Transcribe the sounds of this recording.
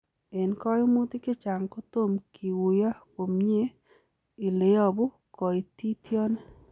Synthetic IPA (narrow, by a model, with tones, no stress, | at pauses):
e˨nkɔ˦jo˦mu˦t̪i˦kɪ˦t͡ʃa˨ŋko˦t̪o˦˨mkʰi˨wu˨ja˦ko˨mɲe˦ | i˨le˨ɔ˦bʊ˦ | kɔ˨i˨t̪i˦t̪jɔ˦ne˦